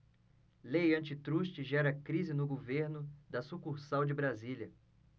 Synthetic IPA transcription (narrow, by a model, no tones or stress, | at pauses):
lejɐ̃nt͡ʃɪt̪ɾuʃt͡ʃɪʒɛɾɐkɾizɪnʊɡoveɾnʊd̪ɐsukuɾsawd͡ʒɪbɾaziljɐ